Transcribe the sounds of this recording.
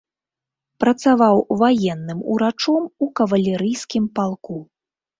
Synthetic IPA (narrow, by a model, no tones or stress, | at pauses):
pɾɐt̪savawvajɛnːɨmṵɾat͡ʂɔmukɐvɐlʲɛɾɨjskʲimpalˠku